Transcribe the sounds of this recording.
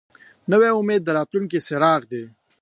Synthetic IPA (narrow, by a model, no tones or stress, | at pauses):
nəweʊmeːd̪ːəɾaːt̪luŋkeseɾɑːɣd̪eː